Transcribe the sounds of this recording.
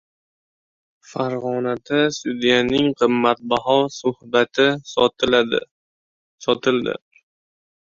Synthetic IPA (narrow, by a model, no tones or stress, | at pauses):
faɾʁɒnad̪asʊd̪ijanɪŋqʰɨmːat̪̚baɦɒsʊhbat̪ʰɪ | sɒt̪ʰɪld̪ɪ̰